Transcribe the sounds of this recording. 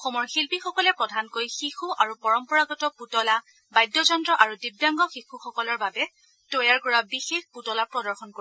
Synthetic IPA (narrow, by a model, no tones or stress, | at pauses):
ɔxɔmɔɹxilpixɔkɔlɛpɹɔdʱankojxixuʔaɹupɔɹɔmpɔɹaɡɔtɔputɔla | bajdːɔzɔndɹɔʔaɹudibjaŋɡɔxixuxɔkɔlɔɹbabɛ | tojaɹkɔɹabixexputɔlapɹɔdɔɹxɔnko